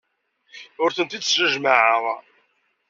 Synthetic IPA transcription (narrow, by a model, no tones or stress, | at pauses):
ʊɾθənt̪id̪ʒəʒmaʕəʁˤ